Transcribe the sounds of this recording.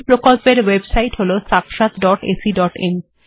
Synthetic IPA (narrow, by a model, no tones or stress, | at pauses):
pɾokolpeɾwebsajʈɦolosakʰʃat̪ɖɔʈḛsiɖɔʈḛm